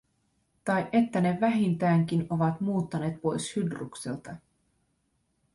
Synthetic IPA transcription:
t̪ɑjʔe̞t̪ːæne̞ʋæɦint̪æːŋk̟ino̞ʋɑt̪muːt̪ːɑne̞ːt̪̚po̞jshydrṵkse̞̰lt̪ɑ

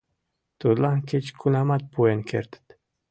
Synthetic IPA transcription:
t̪od̪laŋket͡ʃkʰunamat̪̚puenkʰḛɾt̪t̪

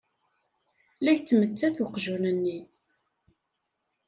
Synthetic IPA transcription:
læçt͡sːmət͡sːæθuqʒunənːi

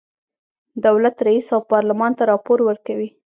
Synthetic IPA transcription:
d̪awlat̪ɾaisawpɑɾlamɑnt̪aɾɑpoɾwəɾkawi

